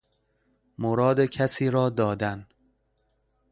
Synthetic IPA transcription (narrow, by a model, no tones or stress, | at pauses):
moɾɒːd̪ecʰæsiːɾɒːd̪ɒːd̪æn